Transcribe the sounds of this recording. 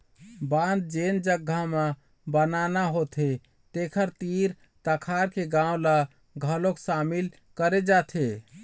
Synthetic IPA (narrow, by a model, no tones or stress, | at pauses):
bãnd̪̚d͡ʒend͡ʒəɡʱama | bənanaɦot̪ʰe | t̪ekʰəɾt̪iɾ | t̪əkʰaɾkeɡãw̃la | ɡʱəloksamil | kəɾed͡ʒat̪ʰe